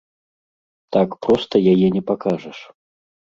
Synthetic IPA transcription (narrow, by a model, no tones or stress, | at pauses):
t̪akpɾɔst̪ɐjajɛnʲɛpakaʐɐʂ